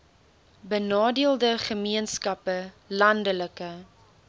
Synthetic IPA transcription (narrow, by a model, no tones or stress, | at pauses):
bənɑːdiəlˠdəχəmiənskɐpə | lɐndələkə